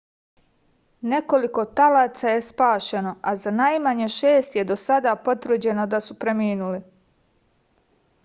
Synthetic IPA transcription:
ne̞ko̞liko̞t̪alaːt̪saje̞spaːʃe̞no̞azanajmaɲeʃeːst̪je̞d̪o̞sad̪apo̞t̪vrd͡ʑe̞nod̪asupɾemiːnuli

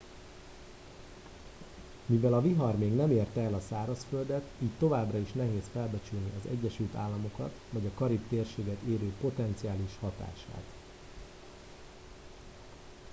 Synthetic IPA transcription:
mivɛlɒviɦɒrmeːɡnɛmeːrt̪ɛlɒsaːɾɒsfø̞ld̪ɛt̪iːct̪o̞vaːbrɒiʃnɛɦeːsfɛlbɛt͡ʃylniʔɒzɛ̰ɟːɛʃylt̪a̰ːlːɒmo̞kɒ̰t̪vɒɟɒkɒɾipt̪eːrʃeːɡɛt̪eːɾøːpo̞t̪ɛnt̪siaːliʃhɒt̪a̰ːʃa̰ːt̪

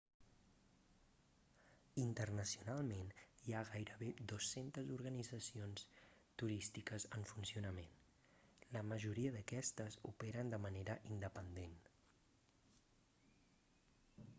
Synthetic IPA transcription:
int̪ərnəsiunalˠmeniaɣajɾəβed̪osːent̪əzuɾɣənid͡zəsions | t̪uɾist̪ikəzəɱfunsiunəmen | ləməʒuɾiəðəkɛst̪əzṵpɛɾənd̪əməneɾəʔind̪əpənd̪en

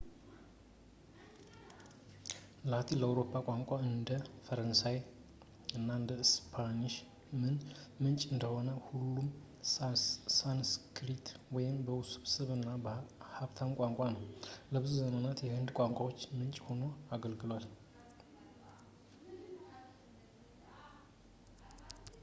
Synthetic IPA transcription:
lat̪ʰiləawɾo̞pʰːakʷʼaŋkʷʼaɨnd̪əfəɾənsaj | ɨnːaɨnd̪əɨspʰaniʃ | mɨnmɨnt͡ʃʼɨnd̪əho̞nəhulːum | sanskʰɾit̪wɔjɪmbəwsɨβsɨβɨnːabəhaβt̪ʰamkʷʼaŋkʷʼanəwləβɨzuzəmənat̪jɛhɨnd̪kʷʼaŋkʷʼawo̞t͡ʃːmɨnt͡ʃʼho̞no̞aɡəlɡɨlwal

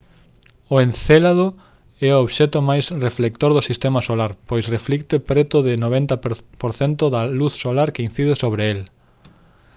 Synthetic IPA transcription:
ʊenθelaðo | ɛʊoβʃɛt̪ʊmajsreflek̚t̪oɾðʊsist̪emɐsolaɾpojsreflikt̪epɾɛt̪ʊðɪnoβɛnt̪ɐpoɾθent̪ʊðɐluθsolaɾkein̟θið̞ɪsoβɾeel

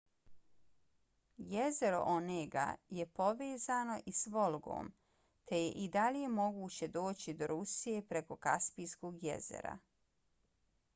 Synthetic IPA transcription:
jeze̞ɾo̰ʔoneɡa̰je̞po̞ʋeːzano̞ʔisʋolˠɡo̞̰ːm | t̪ʰe̞je̞̰ʔid̪alije̞mo̞ɡuːt͡ɕe̞d̪o̞ːt͡ɕid̪o̞ɾusije̞pɾeko̞ka̰spijskoːɡjḛzḛɾa̰

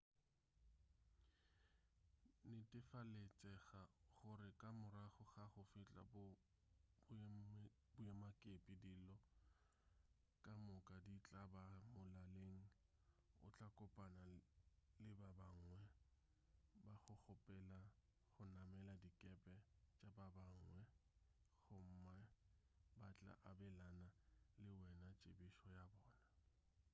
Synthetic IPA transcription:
nɪtʼɪfalet͡sʼɛχaχʊɾɪkʼamʊɾaχʊχaχʊfɪt͡ɬʼa̰b | bʊɛmakʼepʼidilɔ | kʼamʊkʼadit͡ɬʼabamʊlaleŋ̩ | ʊ̰t͡ɬʼakʼʊpʼanalɪbabaŋwɛ | baχʊk͡xʊpʼɛla | χʊnamɛladikʼɛpʼɛt͡ʃʼababaŋ̩wɛ | ɣʊm̩ma | bat͡ɬʼa̰ʔabɛlanalɪwɛnat͡ʃʼebiʃɔjabɔːna

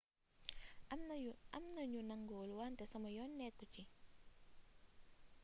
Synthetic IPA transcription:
amnɐɲunaŋɡoːluwantɛsamɔjɔnːɛkːuci

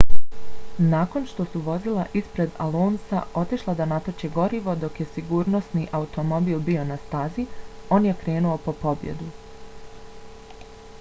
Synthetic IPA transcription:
naːko̞nʃt̪o̞suʋo̞zilˠa̰ʔispɾe̞d̪alˠoːnsa̰o̞t̪iʃlˠad̪anat̪ot͡ʃeɡo̞ɾiʋo̞d̪o̞kje̞siɡuːɾno̞sniʔaut̪o̞mo̞biːlˠbio̞nast̪azio̞ːnje̞kɾe̞ːnuo̞po̞po̞bje̞̰d̪u

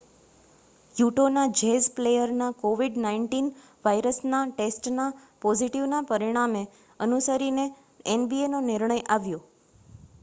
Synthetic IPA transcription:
juʈonad͡ʒezplejəɾnakoʋiɖnaiɳʈin | ʋaiɾəsnaʈesʈnapoziʈiʋnapəɾiɽ̃ame | ənusəɾine | enbienonɪɾɳ̃əjaʋjo

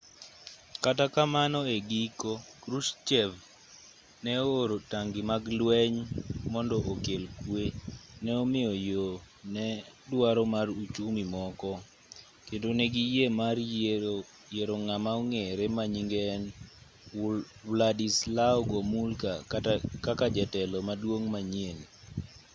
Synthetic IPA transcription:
katakamanɔeɡikokɾuʃt͡ʃɛv | nɛoːɾotaŋɡimaɡlwɛɲmɔndɔʔokelkwenɛɔmɪjɔjo | nɛ | dwaɾɔmarut͡ʃumimɔkɔ | kendoneɡijemar | jeɾoŋamaoŋeɾemaɲiŋɡɛːn | wladislaɔɡɔmulkakakad͡ʒɛtɛlɔmadwoŋmaɲien

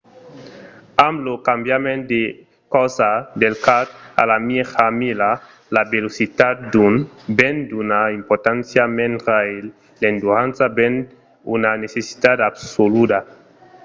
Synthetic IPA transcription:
amlokambjamẽnd̪e | kɔwsad̪elkat̪̚a̰lamiefamila | labelosit̪ad̪̚d̪unbend̪unaimpoɾt̪ansjamẽnt̪ɾael | lend̪uansaben | unanesesi̥t̪ad̪absolud̪a

